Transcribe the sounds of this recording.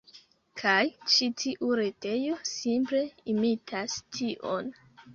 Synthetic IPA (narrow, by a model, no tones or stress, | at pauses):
kʰajt͡ʃitʰiʔuɾe̞te̞jo̞simple̞imitʰastʰiʔo̞̰n